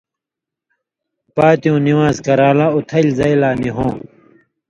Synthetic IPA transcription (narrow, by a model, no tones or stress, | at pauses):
paːt̪jũːniwaːzkɐɾaːlãut̪ʰɐlzɐjlaːniɦõː